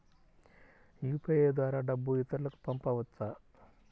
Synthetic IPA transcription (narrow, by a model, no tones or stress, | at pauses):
jupʰɐjeːd̪ʋaːɾaːɖɐbːuit̪ɐɾulɐku̥pɐmpɐʋɐt͡sːa